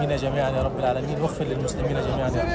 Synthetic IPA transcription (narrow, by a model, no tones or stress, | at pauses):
iːnjad͡ʒamiːʕanjaːɾˤɑbːɪlʕaːlamiːnwaxfɪlɪlmʊslɪmiːnad͡ʒamiːʕanj